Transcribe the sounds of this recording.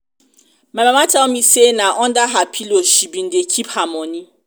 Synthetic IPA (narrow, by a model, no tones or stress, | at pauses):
mamamatʰaɔmisenaʔɔndaɦapʰiloʃibin̩dekʰiphamɔ̃nĩ